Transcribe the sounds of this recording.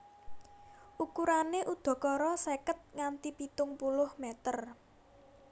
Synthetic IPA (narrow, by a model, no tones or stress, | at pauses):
ʔukuɾaneʔud̪̥ɔ̤kɔɾɔsekət̪̚ŋant̪ipit̪ʊŋpulʊhmet̪ər